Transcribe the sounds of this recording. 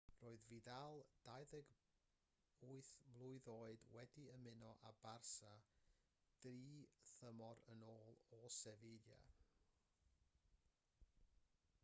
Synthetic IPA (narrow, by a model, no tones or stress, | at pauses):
roːɨðviːdalˠd̥ajðɛɡ | uɨθmlˠʊɨðoːɨdwɛdiəmɪnɔʔabarsa | d̥riːθəmɔɾənoːlˠɔsɛvelja̰